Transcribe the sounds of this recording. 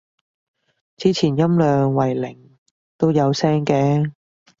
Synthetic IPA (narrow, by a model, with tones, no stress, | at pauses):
t͡siː˥t͡sʰiː˨˩njɐ˥mlœː˨ŋwɐ˨˩jlɪ˨˩ŋ | t̪o˥wjɐ˨˧wsɛː˥ŋkɛː˧